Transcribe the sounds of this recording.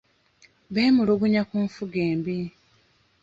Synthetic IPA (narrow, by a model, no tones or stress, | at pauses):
βeːmuloβuɲakuːɱfuɡeːmbi